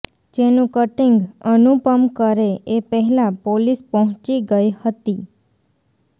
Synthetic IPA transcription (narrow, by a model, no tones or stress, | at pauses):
d͡ʒenũkəʈiŋɡənupəmkəɾeepəɦɛlãpolispəɦʊ̃t͡ʃiɡəjhət̪i